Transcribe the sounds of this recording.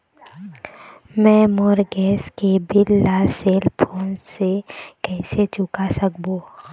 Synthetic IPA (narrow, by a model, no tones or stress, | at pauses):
mɛ̃ːmoːɾɡɛːskebɪlːaːseːlpʰoːnsekɛːset͡ʃʊkasəkboː